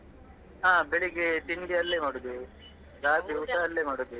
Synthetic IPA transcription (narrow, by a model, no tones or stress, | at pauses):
ɦaːbeɭiɡet̪iɳɖiɐlːeːmɐɽud̪i | ɾaːt̪iuʈaːlːeːmɐɽud̪i